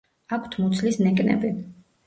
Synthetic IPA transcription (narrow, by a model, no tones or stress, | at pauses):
akʰt̪ʰmɔt̪sʰlisnɛkʼnɛ̰bi